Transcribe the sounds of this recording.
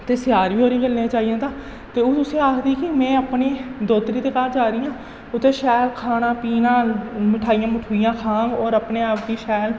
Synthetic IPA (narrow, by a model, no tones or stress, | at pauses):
t̪eːsɪjaːɾʋiːɦoːɾiːɡəlnẽːt͡ʃaːijãːt̪ãː | t̪eːot̪ʊsẽːaːkʰd̪iːkɪmɛ̃ːəpneːd̪oːt̪ɾiːd̪eːkaːɾd͡ʒaːɾɪjãː | ʊt̪ːeːʃɛːlkʰaːnãːpiːnãːmɪʈʰaːɪjãːməʈʰuːijãːkʰãːŋɡɔːɾəpneːaːpd̪iːʃɛːl